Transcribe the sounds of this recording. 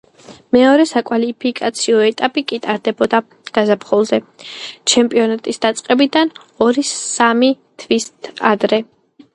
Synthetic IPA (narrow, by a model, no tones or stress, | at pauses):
mɛɔɾɛsakʼwalipʰikʼat̪sʰiɔɛt̪ʼapʼikʼit̪ʼaɾd̪ɛbɔd̪a | ɡ̥azapχɔlˠzɛt͡ʃʰɛmpʼiɔnat̪ʼisd̪̥at̪sʼqʼɛbid̪an | ɔɾisami | t̪ʰvist̪ʰad̪ɾɛ